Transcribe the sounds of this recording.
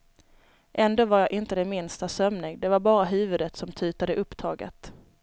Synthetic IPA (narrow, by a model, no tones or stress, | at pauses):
ʔɛnd̪oːvaɾjaʔɪnt̪əd̪ɛmɪnst̪asœmnɪŋd̪ɛvaɾbɑːɾaɦʉ̟ːvɵd̪ət̪sɔmt̪ʰʉ̟ːt̪ad̪əʔɵpːt̪ʰɑːɡə̰t̪